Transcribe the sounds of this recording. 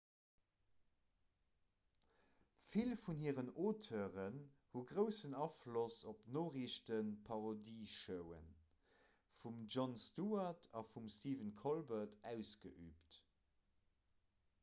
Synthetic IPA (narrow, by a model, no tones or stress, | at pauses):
filfunhiːəʁənoːtʰoʁənhuɡʁəʊsənɑflosop̚noːʁiʃtənpʰɑʁodiːʃəʊə̰n | fumʒonstuːɐtʰɑfumstiːvənkʰolbɐtʰæʊsɡ̥əʔyːpt